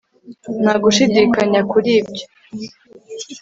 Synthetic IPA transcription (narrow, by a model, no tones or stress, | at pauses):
n̥aɡuʃidiːkaɲakuɾiːbɟo